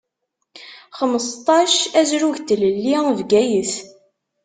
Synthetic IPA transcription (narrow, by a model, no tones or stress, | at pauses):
χəməst̪ˤɑʃæzɾuʝt̪ələlːivɡæjəθ